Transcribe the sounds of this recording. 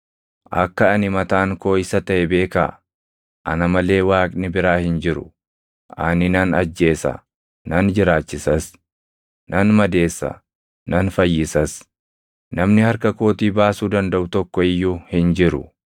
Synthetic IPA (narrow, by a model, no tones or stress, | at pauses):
ʔɐ̰kːɐːnɪmɐt̪aːŋko̞ːɪsɐt̪ɐʔɛbe̞ːka̰ | ʔɐ̰nɐmɐle̞ːwaːkʼnɪbɪɾaːhɪnd͡ʒɪɾʊ̰ | ʔɐnɪnɐnɐd͡ʒːe̞ːsɐ̰ | nɐnd͡ʒɪɾaːt͡ʃːɪsɐs | nɐnmɐd̪e̞ːsːɐ̰ | nɐnfɐjːɪsɐs | nɐmnɪhɐɾkɐko̞ːt̪iːbaːsuːd̪ɐnd̪ɐʔʊt̪ɔkːɔɪjːuhɪnd͡ʒɪɾʊ̰